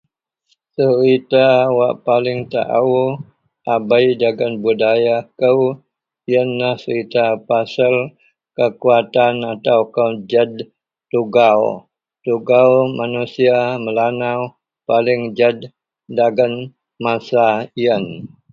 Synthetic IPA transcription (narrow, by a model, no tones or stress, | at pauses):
səɾit̪awaʔpalɪŋt̪a̰ʔa̰wu | ʔabajdaɡənbudajakəw | iənːahsəɾit̪apasəl | kəkuat̪anat̪awkəd͡ʒəd | t̪uɡaw | t̪uɡawmanusiaməlanaw | palɪŋd͡ʒədː | aɡən | masaiən